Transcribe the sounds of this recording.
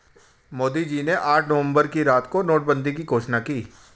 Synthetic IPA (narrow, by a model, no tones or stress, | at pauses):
moːd̪id͡ʒiːneʔaːʈʰnɐʋə̃mbəɾkiɾaːt̪konoːʈ̚bə̃nd̪ikiɡʱoːʃnakiː